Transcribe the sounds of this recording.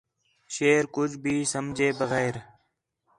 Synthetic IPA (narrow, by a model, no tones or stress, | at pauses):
ʃeːɾkʊd͡ʒʱbʱiːsəmd͡ʒʱeːbəɣɛːɾ